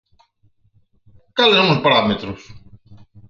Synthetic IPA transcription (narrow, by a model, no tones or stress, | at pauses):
kalesonospaɾamet̪ɾos